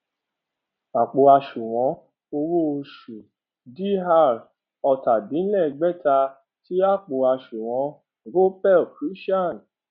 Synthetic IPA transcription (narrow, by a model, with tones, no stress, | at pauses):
a˨k͡po˨a˧ʃu˨w̃ɔ̃˨˦ | o˧ɾo˦o˧ʃu˨ | di˦ɦa˦˨ɾ | ɔ˧ta˨dĩ˨˦lɛ˦˨ɡ͡bɛ˦ta˧ | ti˨˦a˦˨k͡po˨a˧ʃu˨w̃ɔ̃˨˧˦ | ɡo˦pɛ˦o˨kɾi˨˦ʃi˦a˦˨n˨